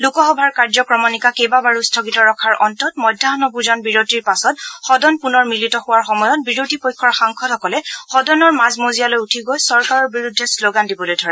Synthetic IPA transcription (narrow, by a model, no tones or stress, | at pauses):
lukɔxɔbʱaɹkaɹzɔkɹɔmɔnikakejbabaɹustʰɔkitɔɹɔkʰaɹʔɔntɔtmɔjdʱːaɦɔnɔbuzanbiɹotiɹpasɔtxɔdɔnpunɔɹmilitɔxʊwaɹxɔmɔjɔt̚biɹotipojkʰːɔɹxaŋkʰɔtʰɔkɔlɛxɔdɔnɔɹmazmozijalojutʰiɡojsɔɹkaɹɔɹbiɹudʱːɛsloɡandibɔlojdʱɔɹɛ